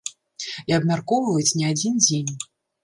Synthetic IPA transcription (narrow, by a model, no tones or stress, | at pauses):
iɐbmʲarkɔwvvɐjut͡sʲnʲɛad͡zʲind͡zʲenʲ